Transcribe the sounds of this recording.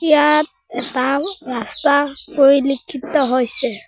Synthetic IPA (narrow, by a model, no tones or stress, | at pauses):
ijat̚ | ɛtaɹastapoɹilikʰːitɔɦojsɛ